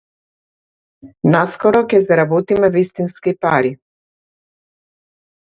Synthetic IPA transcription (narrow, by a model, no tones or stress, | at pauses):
naskɔɾɔkʲɛsɛɾabɔt̪imɛvist̪inskipaɾi